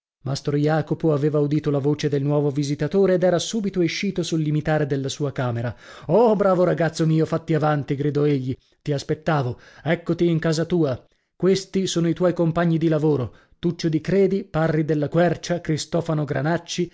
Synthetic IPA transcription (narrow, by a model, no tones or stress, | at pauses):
mast̪ɾojaːkopoaveːvaud̪iːt̪olavoːt͡ʃed̪elnwɔːvovizit̪at̪oːɾeːd̪ɛːɾasuːbit̪oeʃːiːt̪osulːimit̪aːɾed̪elːasuːakaːmeɾaɔbɾaːvoɾaɡat̪sːomiːofat̪ːiavant̪iɡɾid̪ɔeʎːi | t̪iaspet̪ːaːvoɛkːot̪iːŋkaːzat̪uːa | kwest̪isoːnoit̪wɔjkompaɲːid̪ilavoːɾo | t̪ut͡ʃːod̪ikɾeːd̪iparːid̪elːakwɛrt͡ʃakɾist̪ɔːfanoɡɾa̰nat͡ʃːi